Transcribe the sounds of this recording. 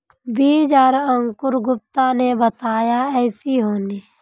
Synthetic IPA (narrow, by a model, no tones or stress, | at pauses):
biːd͡ʒaːɾəŋkʊɾɡʊp̚t̪anebət̪aːjaɛːsiɦoːniː